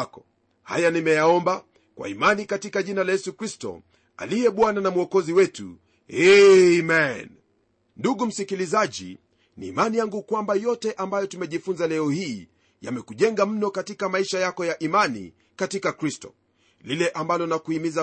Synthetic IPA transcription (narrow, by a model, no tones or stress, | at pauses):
kɔ̥ | ha̰janimɛjaɔmba | kwa̰imanikatikaʄinalajɛsukɾistɔ̰ | a̰lijɛɓwananamuɔkɔziwɛtṵ | hɛmɛn | nduɠum̩sikilizaʄḭ | niːmanijaŋɡukwambajɔtɛʔambajɔtumɛʄifunzalɛɔhiː | ja̰mɛkuʄɛŋɡam̩nɔkatikamaiʃajakɔjaʔimanḭ | katikakɾistɔ̰ | lilɛʔambalɔnakuimiza